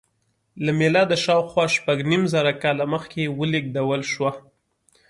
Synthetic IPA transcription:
lamelɑd̪əʃɑwxwɑʃpaɡnimzaɾakɑlaməxkewəliɡ̚d̪awəlʃwa

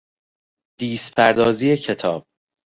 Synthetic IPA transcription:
d̪̥iːspʰæɾd̪ɒːziːecʰet̪ʰɒːb̥̚

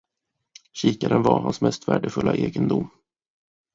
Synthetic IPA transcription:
ɕiːkaɾənvaɾhansmɛst̪væːɖəfɵlːaʔeːɡənd̪ʊmː

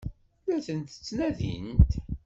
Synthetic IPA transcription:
læθənt̪ə̥t͡sːnæðḭnt̪

